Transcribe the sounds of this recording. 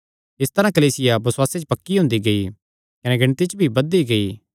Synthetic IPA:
ɪst̪ɐɾãkɐliːsɪjabɐswaːset͡ʃpɐkːiɦʊ̃nd̪iɡɐi | kɐnɛɡɐɽ̃t̪it͡ʃbʱibɐd̪iɡɐiː

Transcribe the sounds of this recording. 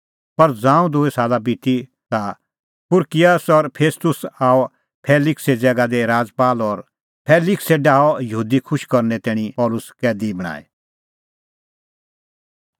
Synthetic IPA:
pɐɾd͡zãːũd̪ʊɛsaːlabiʈ̪i | t̪a | pʊɾkɪjaːsɔɾpʰeːst̪ʊsaːɔ | pʰeːlɪksed͡zɛːɡad̪eɾaːd͡zpaːlɔɾ | pʰɛːlɪkseɖaːɔjəɦuːd̪ikʰʊʃkɔɾnɛt̪ɛːɽ̃ĩpɔːlʊskɛːd̪ibɐɽ̃a̰ːɛ̰

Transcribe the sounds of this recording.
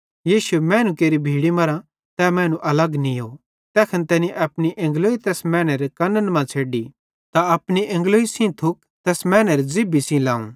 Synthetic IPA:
jiːʃuemɛ̃ːnũkeːɾibʱiːɽimɐɾã | t̪ɛmɛ̃ːnũʔɐlɐɡnijoː | t̪ɛːkʰɐnt̪ɛːniʔɐpɽ̃iʔɐ̃ŋɡloːit̪ɛːsmɛ̃ːnɛɾekɐnːənmãt͡sʰeːɖi | t̪aɐpɽ̃iʔɐ̃ŋɡloːisĩt̪ʰʊk̚ | t̪ɛːsmɛ̃ːnɛɾed͡zɪbisĩlãːṵ̃

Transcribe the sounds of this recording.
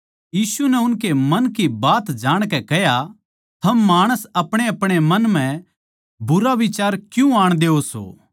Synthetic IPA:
jiːsunɛʊnkemɐnkibaːt̪d͡ʒaːɽ̃kɛkɛɦja | t̪ʰɐmːaːɽ̃əsɐpɽ̃eɐpɽ̃emɐnm̤ɛ̃ | bʊɾaʋɪt͡ʃaːɾkjũaːɽ̃d̪eːoso̰ː

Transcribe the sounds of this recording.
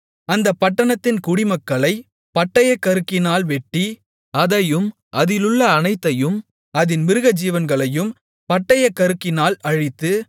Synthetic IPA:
ɐnd̪ɐpːɐʈːɐɳɐt̪ːɪnkʊɽɪmɐkːɐɭɐɪ | pɐʈːɐjɐkːɐɾɯkːɪnaːlʋɛʈːi | ɐðɐjɯm | ʔɐðɪlɯɭːɐːnɐɪt̪ːɐjɯm | ɐðɪnmɪɾɯɣɐd͡ʒiːʋɐnɡɐɭɐjɯm | pɐʈːɐjɐkːɐɾɯkːɪnaːlɐɻɪt̪ːɯ

